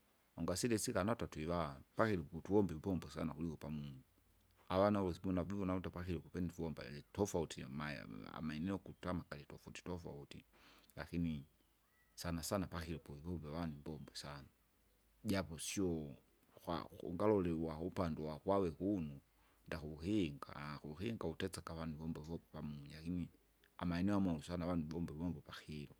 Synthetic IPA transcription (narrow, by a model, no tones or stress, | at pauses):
ɔŋɡasilɛsikanatatuiwapakilɔputuɔmbɛvipɔmbɔsa̰nakulikɔpamunu | awanaɔsimɔnavivɔnaɔtapakilɔkupɛndivuɔmba̰tɔfautima̰a̰maɛnɛɔkutamakalitɔfauti̥tɔfa̰utḭla̰kini | sanasanapaxiɾɔpɔivɔmbɛwanimbɔmbɛsana | ɟapɔsiɔ | kwa̰ṵŋɡalɔlɛwaupandɛwakwawɛkunu | ndakuuhiŋɡa̰kuuhiŋɡautɛt͡sakaβanuvɔmbɛvɔpamuɲalakini | a̰maɛnɛwamausanawanubɔmbɛβɔmbɔpaxiɾɔ